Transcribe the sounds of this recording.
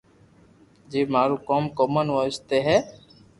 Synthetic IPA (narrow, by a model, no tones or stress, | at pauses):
d͡ʒiːmaːɾuːkoːmkoːmənʋəst̪eːɦɛː